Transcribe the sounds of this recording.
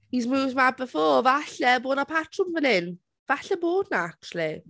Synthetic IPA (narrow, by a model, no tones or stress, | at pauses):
hizmuːvdmab̚bəfɔːvaɬɛboːdnapʰatʰrʊnvənɪn | v̥aɬɛboːdnaak̚t͡ʃuwəlˠi